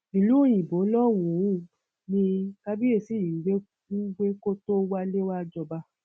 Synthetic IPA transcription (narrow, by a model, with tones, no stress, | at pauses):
i˨lũ˨˦˨j̃ĩ˨bo˨˦lɔ˦˨wũ˨˦˨ | nĩ˧ka˦bi˦e˦˨si˦˨ji˨ɡ͡be˦ | u˦ɡ͡be˦ko˦to˦wa˦le˦wa˦d͡ʒɔ˧ba˧